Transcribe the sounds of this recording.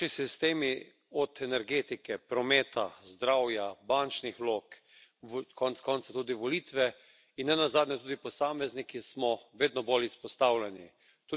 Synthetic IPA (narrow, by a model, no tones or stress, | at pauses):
isist̪eːmi | ɔt̪ɛnɛɾɡeːt̪ikɛpɾɔmeːt̪a̰zd̪ɾaːwjabant͡ʃnixlok | kʰɔntskɔnt̪sat̪uːd̪iʋɔlit̪ʋɛ | inːɛnazaːd̪nʲɛt̪uːd̪ipɔsaːmɛznikismɔʋeːd̪nɔbolispɔst̪awlʲɛnḭ | t̪u